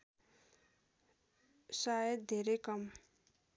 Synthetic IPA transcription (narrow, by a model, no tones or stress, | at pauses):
sajʌt̪̚d̪ʱeɾekʌm